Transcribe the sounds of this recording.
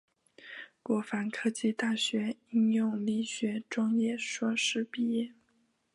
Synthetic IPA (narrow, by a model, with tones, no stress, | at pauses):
kwɔ˧˥fa˧˥nkʰɤ˥t͡ɕi˥˧t̪a˥˩ɕɥɛ˧˥i˥ŋjʊ˥˧ŋli˥˩ɕɥɛ˧˥ʈ͡ʂwɑ˥ŋjɛ˥˧ʂwɔ˥ʂɻ̩˥˩pi˥˧jɛ˥˩